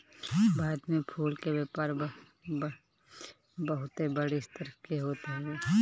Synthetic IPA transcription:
baːd̪mẽpʰuːlkeweːpaːɾ | bəɦʊt̪ebəɽeɪst̪əɾkeɦoːt̪aɦɛɛː

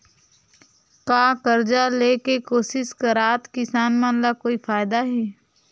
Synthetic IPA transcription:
kaːkɐɾd͡ʒaleːkekoːsɪʃkəɾaːt̪kɪsaːnmãːnlakoːifʰaːɪd̪aɦɛː

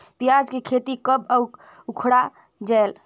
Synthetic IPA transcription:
pijad͡ʒkekʰet̪ikəbəw | ukʰɽa | d͡ʒael

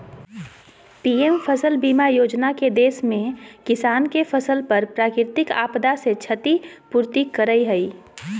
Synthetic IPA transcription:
piːempʰəsəlbiːmajoːd͡ʒnaked̪eːsmẽkɪsaːnkefʰəsəlpəɾpɾaːkɾɪɾɪt̪ɪka̰ːpd̪aset͡ʃʰət̪ipuːɾt̪ikəɾəiɦəiː

